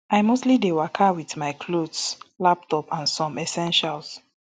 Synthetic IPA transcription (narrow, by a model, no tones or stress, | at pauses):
ajmostlidewɛkʰawiθmajkʰlodslap̚tɔpʰãnsɔ̃mɛsɛ̃nʃals